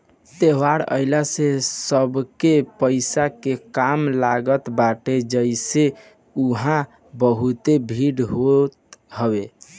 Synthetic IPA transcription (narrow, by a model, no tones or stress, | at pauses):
t̪ewaɽə̰ɪlasesəbkepəɪsakekamlaɡət̪baʈed͡ʒəɪse | uɦã | bəɦut̪ebʱiɽɦot̪ɦəbe